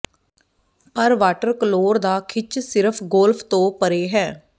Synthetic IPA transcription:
pəɾʋaːʈəɾkəloːɾd̪aːkʰɪt͡ʃʰsɪɾəpʰɡoːlpʰt̪õːpəɾeːɦɛː

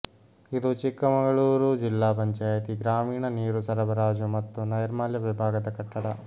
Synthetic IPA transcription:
id̪ut͡ʃikːɐmɐŋɡɐɭuːɾud͡ʒilːaːpɐɲt͡ʃaːjɐt̪iɡɾaːmiːɳɐniːɾusɐɾɐbɐɾaːd͡ʒumɐt̪ːunɐjɐɾmaːljɐʋibʱaːɡɐd̪ɐkɐʈːɐɽɐ

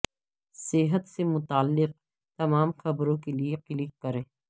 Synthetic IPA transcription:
sɪɦət̪semʊt̪aːlːɪq̚ | t̪ɐmaːmxɐbɾõkelieqɪlɪk̚kɐɾẽː

